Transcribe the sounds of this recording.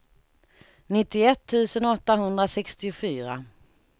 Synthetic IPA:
nɪt̪ːɪɛt̪ʰːʉ̟ːsənɔt̪ːaɦɵnd̪ɾasɛkst̪ɪʊfyːɾa̰

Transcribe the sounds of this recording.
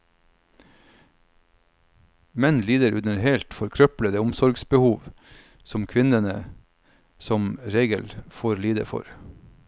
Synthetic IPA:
mɛnliːd̪əɾʉd̪əɾheːlt̪fɔɾkʰɾœpləd̪əːʊmsɔɾɡsbəhuːʋ | sɔmkʰʋɪnənə | sɔmɾeːɡəlfoːɾliːd̪ə̰fɔ̰ɾ

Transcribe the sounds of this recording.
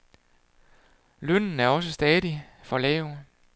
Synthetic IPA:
lønn̩æɐɒ̽s̬əsd̥ɛːðˠifɒ̽lɛːʊ

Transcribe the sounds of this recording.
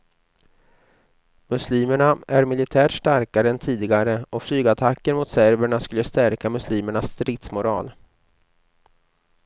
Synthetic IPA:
mɵsliːməɳaʔæɾmɪlɪt̪ʰæːʈʂʈaɾkaɾəɛnt̪ʰiːd̪ɪɡaɾəʔɔflyːɡat̪ʰakːənmʊt̪sæɾvəɳaskɵlːəst̪æɾkamɵsliːməɳasːt̪ɾɪt̪smʊɾɑ̰ːl

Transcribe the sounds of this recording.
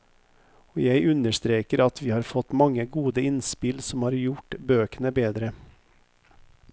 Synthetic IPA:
oːjæɪʔʉnəʃt̪ɾeːkəɾɑt̪ʋiːhɑːɾfɔt̪mɑŋəɡuːd̪əɪnspɪlsɔmhɑːɾjʊʈbøːkənəbeːd̪ɾə

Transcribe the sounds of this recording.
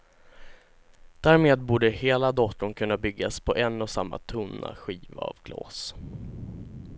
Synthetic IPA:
d̪̥æːɾmeːd̪̚buːɖəheːlad̪ɔt̪ːʊnkʰɵnːabʏɡːaspʰɔʔɛnːɔsamːa̰t̪ʰɵnːa̰ɧiːva̰a̰vɡlɑ̰ːs

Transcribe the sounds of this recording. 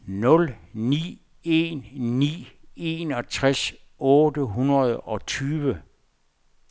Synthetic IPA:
nɔ̽lnḭː | e̝ːnːḭːe̝nɒ̽t͡sʰʁas | ɔ̽ːdəɦunɐð̞̩ˠɒ̽t͡sʰyːʋə

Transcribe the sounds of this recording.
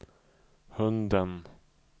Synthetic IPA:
hɵnd̪ən

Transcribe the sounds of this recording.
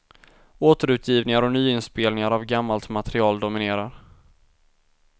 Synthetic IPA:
oːt̪əɾʉ̟ːt̪ʰjiːvnɪŋaɾɔnyːɪnspeːlnɪŋaɾavɡamːalt̪mat̪ɛɾɪɑːld̪ʊmɪneːɾaɾ

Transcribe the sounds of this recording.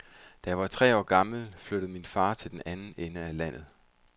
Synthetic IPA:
d̥æjɑɪʋɑ̈t͡sʰʁɛ̰ːɒ̰ːɡ̥ɑ̈ml̩fløɾ̥əð̩ˠminfɑ̈ːt͡sʰe̝ld̥enʔænn̩enəælæn̰ð̞̩ˠ

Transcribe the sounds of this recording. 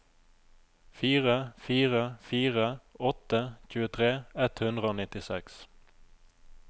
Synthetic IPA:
fiːʁəfiːʁəfiːʁəɔt̪əc͡çʉːət̪ʰʁeːɛt̪hʉnd̪ʁəoːnɪt̪ɪsɛks

